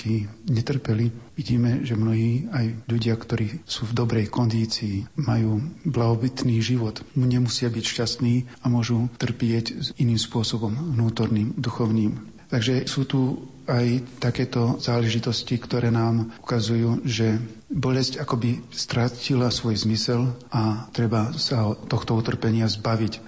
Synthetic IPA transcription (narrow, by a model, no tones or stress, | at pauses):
kiɲɛt̪r̩pɛliʋiɟiːmɛʒɛmnɔɦiːajʎuɟɪakt̪ɔɾiːsuːvd̪ɔbɾɛjkɔnd̪iːt͡siːmajuːblaɦɔbit̪niːʒiʋɔt̪muɲɛmusɪabicʃcast̪niːamʊɔʒut̪r̩pɪɛciniːmspʊɔsɔbɔmnuːt̪ɔɾniːmd̪uxɔʊniːm | t̪aɡʒɛsuːt̪u | ajt̪akɛːt̪ɔzaːlɛʒit̪ɔscikt̪ɔɾɛːnaːmu̥kazujuːʒɛbɔlɛscakɔbist̪ɾacilasʋɔjzmisɛlʔat̪ɾɛbasat̪ːɔxt̪ɔut̪r̩pɛɲɪazbaʋic